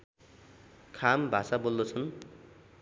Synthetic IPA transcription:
kʰambʱasabold̪ot͡sʰʌn

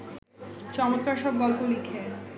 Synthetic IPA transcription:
t͡ɕɔmot̪kaɾʃɔb̚ɡɔlpolikʰe

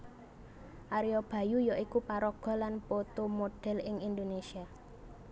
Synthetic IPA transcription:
ʔaɾiɔb̥a̤jujɔʔikupaɾɔɡ̥ɔ̤lanpot̪omoɖ̥ɛ̤lɪŋind̪onesia

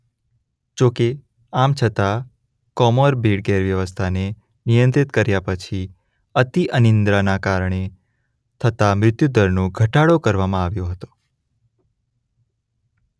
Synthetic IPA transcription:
d͡ʒoke | amt͡ʃʰət̪a | kɔmɔɾbʱeɽɡeɾʋjəʋəst̪ʰane | nijə̃nt̪ɪt̪kəɾjapət͡ʃʰi | ət̪iʔənɪnd̪ɾanakaɾɳ̃e | t̪ʰət̪amɾɪt̪jud̪əɾnõɡʱəʈaɽokəɾʋamãaʋjõɦət̪o̥

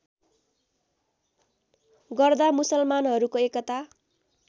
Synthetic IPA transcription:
ɡʌrd̪amusʌlmanɦʌɾukoekʌt̪a

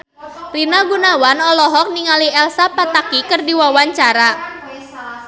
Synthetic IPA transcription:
rinaɡunawanɔlɔɦɔk̚niŋaliɛlsapat̪akikərdiwawaɲt͡ʃaɾa

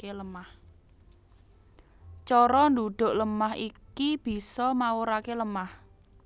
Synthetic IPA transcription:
eləmah | t͡ʃɔɾɔnd̪uɖ̥o̤ʔləmaɦikib̥i̤sɔmawoɾakeləmah

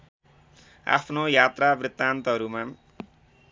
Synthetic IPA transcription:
a̰pʰnojat̪rabrit̪ːant̪ʌɦʌɾuma

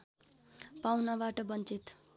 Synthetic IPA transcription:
pawnabaʈʌbʌnt͡sit̪

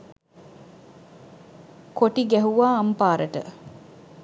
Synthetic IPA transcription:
koʈiɡæɦuʋaːɐmpaːɾʔəʈə̰

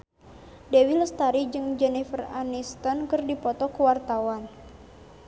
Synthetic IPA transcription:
dewiləst̪aɾid͡ʒɨŋd͡ʒɛnifəranist̪ɔnkɨrdipɔt̪ɔkuwart̪awan

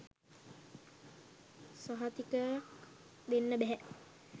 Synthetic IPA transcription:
saɦat̪ikə | d̪enːəbɛɦɛ

